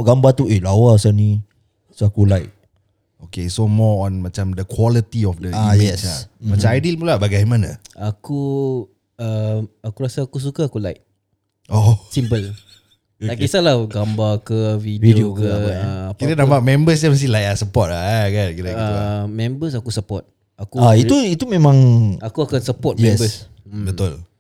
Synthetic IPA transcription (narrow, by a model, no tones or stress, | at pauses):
ɔʔɡambat̪uʔelawasani | sakulajʔ̚ | okesomɔɔ̃nmat͡ʃamdəkʰwɔlit̪iɔfdəajɛsa̰mat͡ʃamajdilpulabaɡajmanə̰aku | əakuɾasaːkus̬ukaakulaɪʔ̚ | ʔosimpəl | taʔkisalaɡambakəvidvidiokəəakit̪anãmbaʔmɛ̃mbəs̬ɲaməst̪ilajʔasəpɔt̚laakankit̪aəmɛ̃mbəs̬akusəpɔt̪̚ | akuaiuit̪umẽmãŋakuakansəpɔt̚mɛbəs | bət̪ʊl